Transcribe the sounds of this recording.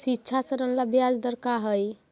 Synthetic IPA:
sitːt͡ʃʰasəɾənlabjad͡ʒd̪əɾkaɦəj

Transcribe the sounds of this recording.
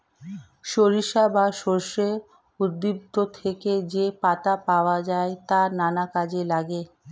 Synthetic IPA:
ʃoɾiʃabaʃoɾʃe | ud̪ːip̚t̪ot̪ʰeked͡ʑepat̪apaoad͡ʑaet̪ananakad͡ʑelaɡe

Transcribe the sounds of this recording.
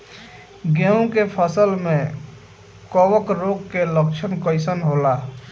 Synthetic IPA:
ɡeũkepʰəsəlme | kɔwəkɾoɡkeləkt͡ʃʰənkəɪsənɦola

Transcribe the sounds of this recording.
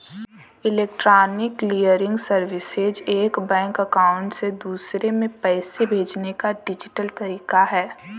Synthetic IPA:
ɪleːk̚ʈɾaːnɪkliːəɾɪ̃ŋɡsəɾʋɪsɪd͡ʒeːkbɛ̃ːŋkɐkaːʊ̃ɳʈsed̪uːsɾemẽpɛːsebʱeːd͡ʒnekaɖɪd͡ʒɪʈəlt̪ɐɾiːkaɦɛː

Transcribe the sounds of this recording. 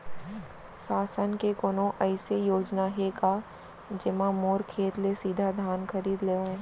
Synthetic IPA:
saːsənkekoːnõʔɛɪsejoːd͡ʒnaɦeka | d͡ʒɪmãmoːɾkʰeːt̪lesiːd̪ʱad̪ʱaːnkɐɾiːd̪leːẽ

